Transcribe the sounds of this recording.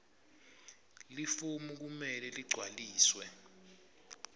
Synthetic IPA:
lifumuk̬umɛlɛliɡ͡ǀʱwaliːswɛ

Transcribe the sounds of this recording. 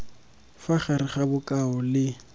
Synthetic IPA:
faχaɾɪχabʊkʼaɔlɪ

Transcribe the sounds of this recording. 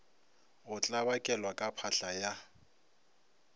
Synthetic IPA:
ʊt͡ɬʼabakʼɛlwakʼapʰaɬaja

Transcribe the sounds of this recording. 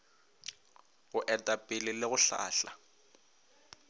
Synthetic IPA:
ɣʊʔɛtʼapʼɪlɪlɪɣʊɬa̰ːɬa̰

